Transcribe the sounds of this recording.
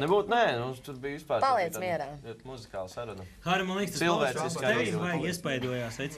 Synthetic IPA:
nɛbuːt̪nɛːnut̪uɾbijʋispaːɾpalˠiɛzmiɛɾaːut̪muzikaːlˠsaɾunɐxaːɾimanˠikst̪silˠvɛːsiskaːeimbajɡiɛspajd̪uɔjaːsajt̪s

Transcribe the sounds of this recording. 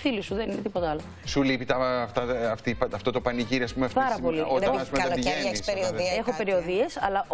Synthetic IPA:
θilisuðeninet̪ipo̞t̪ɐɐlo | sulipit̪ɐːft̪ɐɐft̪ipɐft̪o̞t̪o̞pɐniʝiɾiɐspumeɐfpɐɾɐpo̞liot̪ɐnɐspumeɐɐloenseɾioiexope̞ɾio̞ðie̞sɐ̰lɐʔ

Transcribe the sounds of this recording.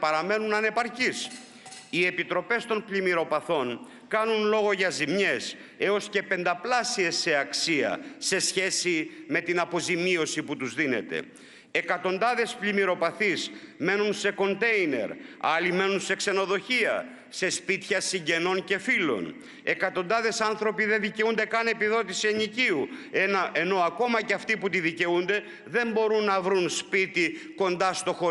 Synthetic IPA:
pɐɾɐme̞nunɐne̞pɐɾcis | ie̞pit̪ɾo̞pe̞st̪o̞npʎimiɾo̞pɐθo̞n | kɐnunlo̞ɣo̞ʝɐzimɲe̞s | e̞o̞sce̞pe̞nd̪ɐplɐsie̞sːe̞ɐksiɐ̰se̞sçe̞sime̞t̪inɐpo̞zimio̞siput̪uzðine̞̰t̪e̞̰ | ekɐt̪o̞nd̪ɐðe̞splimiɾo̞pɐθizme̞nunse̞ko̞nt̪e̞ine̞̰ɾɐlime̞nunse̞kse̞no̞ðo̞çiɐ̰ | se̞spit̪çɐsiɲɟe̞no̞nce̞filo̞̰n | e̞kɐt̪o̞nd̪ɐðe̞sɐnθɾo̞piðe̞ðice̞und̪e̞kɐne̞piðo̞t̪isiɐniciuenɐʔe̞no̞ɐko̞mɐceɐft̪iput̪iðice̞und̪e̞ | ðe̞mbo̞ɾunːɐvɾunspit̪iko̞nd̪ɐst̪o̞xo

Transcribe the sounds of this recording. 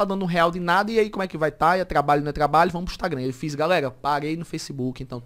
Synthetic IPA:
ad̪ɐ̃d̪ʊũɦɛawd̪ɪnad̪ɐiaikõm̃ʊ̃wɛkɪvajt̪aiɐt̪ɾabaʎʊnewt̪ɾabaʎʊvɐ̃mʊzĩʃt̪aɡɾɐ̃ewfizɡalɛɾɐpaɾejnʊfejsibukɪẽnt̪ɐ̃w̃

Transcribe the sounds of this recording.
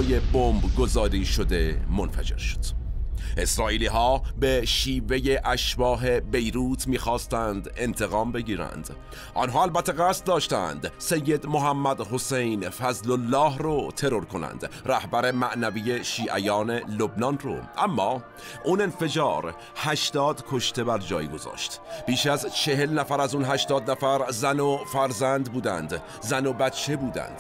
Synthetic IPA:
jebombɡo̞zɒːɾiːʃod̪e̞monfæ̰d͡ʒe̞̰ɾʃo̥d̪̥ʔe̞sɾɒːʔiːliːɦɒːbeʃiːve̞jeʔæʃbɒːɦe̞be̞jɾuːt̪ʰmiːxɒːst̪ænd̪e̞nt̪ʰe̞ɣɒːmbe̞ɡiːɾæ̰nd̪̥ | ʔɒ̰ːnɦɑːælbæt̪ʰːeɣæːst̪̚d̪ɒːʃt̪ænd̪se̞jːed̪moɦæmːæd̪ho̞sejnfæzlolːɒːhrot̪ʰe̞ɾo̞ɾkʰo̞næ̰nd̪̥ræhbæɾe̞mæʔnævijeʃiːʔæjɒːne̞lobnɒnro̰ʔæmːɒː | une̞nfe̞d͡ʒɒːɾ | hæʃt̪ɒːd̪kʰo̞ʃt̪ʰe̞bæɾd͡ʒɒːjɡo̞zɒ̰ːʃt̪b̥iːʃæzt͡ʃʰe̞ɦe̞lnæfæɾæzunɦæʃt̪ɒːd̪næfæɾzænofæɾzænd̪buːd̪ænd̪ | zænobæt̪t͡ʃʰːe̞buːd̪æ̰nd̪̥

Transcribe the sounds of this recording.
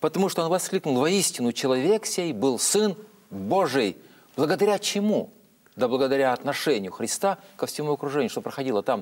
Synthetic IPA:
pət̪ɐmuʂt̪oonvɐsklʲiknʊlˠvɐisʲtʲɪnʊt͡ɕɪlˠɐvʲeksʲejbɨlˠsɨn | bo̞ʐɨj | blˠəɡəd̪ɐɾʲat͡ɕɪmu | d̪əblˠəɡəd̪ɐɾʲaɐt̪nɐʂɛnʲɪjʊxɾʲɪst̪akəfsʲɪmuɐkɾʊʐɛnʲɪʊʂt̪opɾəxɐdʲilˠət̪am

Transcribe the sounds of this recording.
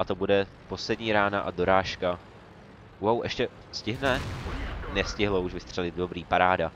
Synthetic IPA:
ʔat̪o̞budɛ | po̞slɛdɲiːɾaːnaʔado̞ɾaːʃka | wawʔɛ̰ʃcɛ | scɪɦnɛ | nɛscɪɦlouʃvɪst̪r̥ɛlɪd̪̚do̞bɾiːpaɾaːda

